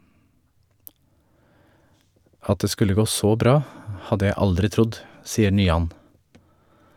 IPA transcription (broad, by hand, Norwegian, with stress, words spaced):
ˈɑt ˈdeː ˈskʉlə ˈɡoː ˈsoː ˈbɾɑː ˈhɑdə ˈjæɪ ˈɑldɾɪ ˈtɾʊd ˈsiːə ɳyːˈɑn